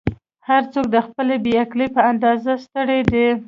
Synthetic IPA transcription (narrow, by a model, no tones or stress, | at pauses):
haɾt͡sok̚d̪əxpəlebeakləjpəand̪ɑzast̪əɽed̪e